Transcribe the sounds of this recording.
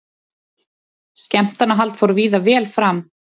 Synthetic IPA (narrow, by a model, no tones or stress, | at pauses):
scɛm̥t̪anːaɦalt̪fawɾʏviːðavɛːlfɾam